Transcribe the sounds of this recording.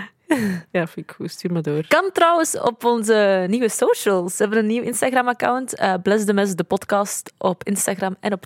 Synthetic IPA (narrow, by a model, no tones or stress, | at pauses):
jaːfɪkustyːrmədoːrkɑntrɑwənsɔ̰pɔnzəniwəsoːʃəlˠsɛbənənːiwɪnstaɣrɑmakawntəblɛsdəmɛnsdəpɔtkɑːstɔpɪnstaɣrɑmɛnɔp